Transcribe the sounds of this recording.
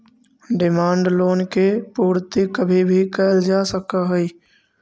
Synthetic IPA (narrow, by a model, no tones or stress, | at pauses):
ɖɪmaːɳɖloːnkepuːɾt̪ikəbʱibʱikəːld͡ʒasəkaɦəi